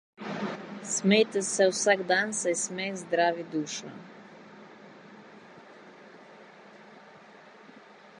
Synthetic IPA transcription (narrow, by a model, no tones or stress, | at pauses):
smɛjt̪ɛsɛwsaɡd̪ansajsmɛzd̪ɾaːʋid̪uːʃna̰